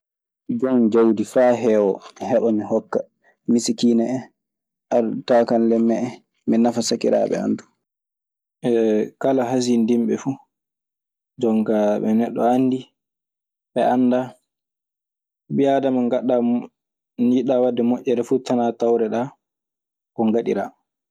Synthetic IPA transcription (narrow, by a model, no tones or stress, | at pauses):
d͡ʒɔmnd͡ʒawdifaːɦɛːwɔhɛɗɔmihɔkːa | misikiːnɛɛ | ʔaɾtakanlɛmːɛɛ | mɛnafasakiɾa̰ɓɛ̰a̰ndu̥ | ɛkalaɦas̬indimɓɛfu | d͡ʒɔŋkaɓɛnɛɗːɔ̰anːdi | ɓɛʔanːda | bijadamaŋɡaɗːa | ɲiɗawadːɛmɔʔːɛɾɛfutanatawɾɛɗa | kɔŋɡaɗḭɾa